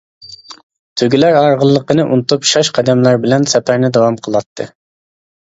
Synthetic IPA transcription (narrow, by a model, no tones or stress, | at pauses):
t̪ʰøɡʲilæɾɑɾʁəlˠːəqənɨʔṵnɨt̪upʃɑʃqʰɑd̪ɛmlæɾbɪlɛnsɛpʰæɾnɪd̪ɑwɑmqʰəlˠɑt̪ʰːɨ